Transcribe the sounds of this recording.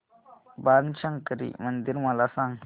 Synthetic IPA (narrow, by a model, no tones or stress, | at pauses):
baɾnt͡ʃaŋkəɾḭmənd̪iɾmalasaŋ